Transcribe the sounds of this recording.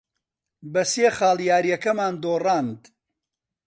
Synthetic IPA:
bɐseːχaːlˠjaːɾjɐkɐmaːnd̪oːrɑːnd̪

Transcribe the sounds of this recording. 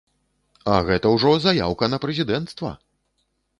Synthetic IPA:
ɐɣɛt̪ɐwʐɔzaja̰wkɐnɐpɾɛzʲid̪ɛnt̪st̪vɐ̰

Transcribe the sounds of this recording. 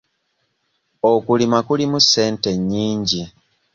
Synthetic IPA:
okulimakulimusːe̞ːnte̞ɲːiːɲɟi

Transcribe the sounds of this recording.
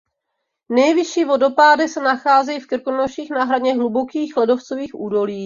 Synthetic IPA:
nɛjvɪʃiːvo̞do̞paːdɪsɛnaxaːzɛjifkrkonoʃiːxnaːɦɾadɲɛɦlubo̞kiːxlɛdo̞ft͡so̞viːxʔuːdo̞liː

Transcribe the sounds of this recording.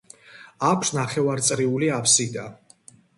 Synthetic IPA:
akʷʰsnaχɛvaɾt̪sʼɾiuliapʰsid̪a

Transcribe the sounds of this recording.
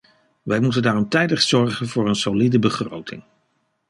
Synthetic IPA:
ʋɛjmutəndaːrɔmtɛjdəχsɔɹχənvʊːɹənsolidəbəχro̰wtʰɪ̰ŋ

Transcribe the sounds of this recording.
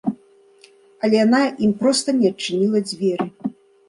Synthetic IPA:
ɐlʲɛjanaimpɾɔst̪ɐnʲɛɐt͡ʂːɨnʲilˠɐd͡zʲvʲɛɾɨ

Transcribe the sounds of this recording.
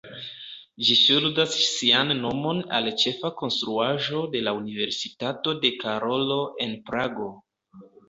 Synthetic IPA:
d͡ʒiʃuldasːianːo̞mo̞na̰lt͡ʃe̞fako̞nstɾuaʒo̞de̞launive̞ɾsitato̞de̞kaɾo̞lo̞e̞npɾaɡo̞

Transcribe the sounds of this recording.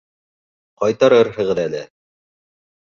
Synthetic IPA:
qɑjt̪ɑɾɤɾɦɤ̆ʁɤ̆ðælɘ

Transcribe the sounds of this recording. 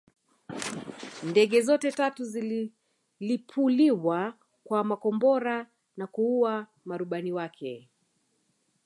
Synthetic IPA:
ndɛɠɛzɔtɛtatuzi | lipʰuliwa | kwamakɔmbɔɾa | nakuua | maɾuɓaniwakʰɛ

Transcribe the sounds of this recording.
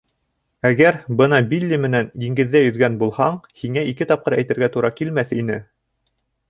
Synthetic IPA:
æɡæɾbɤnɑbilʲːimɘ̆nænjiŋɡɘ̆ðːæjɵ̆ðɡænbulˠhɑɴhiŋæikɘt̪ɑp̚qɤɾæjt̪ɘ̆ɾɡæt̪uɾɑkilmæθinɘ

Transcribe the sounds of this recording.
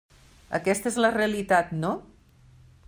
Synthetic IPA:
ə̰kɛst̪əezləreəlit̪at̪no

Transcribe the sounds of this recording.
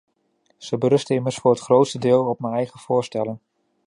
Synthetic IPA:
z̥əbəɾɵstəɪməɹsfʊːɹɦətχrowtstədɪːlˠɔpmənɛjχəv̥ʊːɹstɛlən

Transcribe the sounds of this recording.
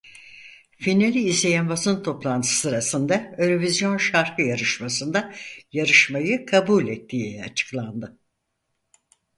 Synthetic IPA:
finalʲiːzlʲe̞jænbasɯnt̪ʰo̞plˠant̪ʰɯ̥sɯɾasɯnd̪aøɾovizjo̞nʃaɾkʰɯjaɾɯʃmasɯnd̪ajaɾɯʃmajɯkʰabulʲɛt̪ʰːiːat͡ʃʰɯ̥klˠand̪ɯ

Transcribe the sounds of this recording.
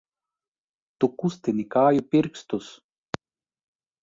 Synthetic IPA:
t̪ukust̪enikaːjupirkst̪us

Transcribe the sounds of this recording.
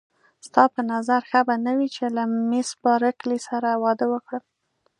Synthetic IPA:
st̪ɑpənazaɾxabanawit͡ʃelamesbɑɾaklisaɾawɑd̪əwəkɽəm

